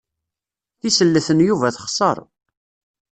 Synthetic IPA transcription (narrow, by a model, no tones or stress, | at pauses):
θisəlːəθənjuvæθə̥χsˤə̰ɾˤ